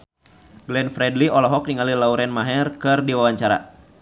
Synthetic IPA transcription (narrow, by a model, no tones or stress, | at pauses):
ɡlɛnfɾɛdliɔlɔɦɔk̚niŋalilauɾɛnmaɦɛrkɨrdiwawaɲt͡ʃaɾa̰